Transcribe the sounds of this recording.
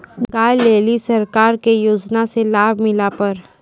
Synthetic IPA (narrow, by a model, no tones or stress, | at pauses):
ɡaːjleːlisɐɾkaːɾkejoːd͡ʒnaselaːbʱmɪlapɐɾ